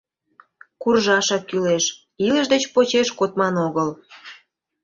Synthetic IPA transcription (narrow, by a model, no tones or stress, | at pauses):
kurʒɑʃɑkkːyleʃ | iləʃd̪et͡ɕpot͡ɕeʃkot̪mɑnoɣəl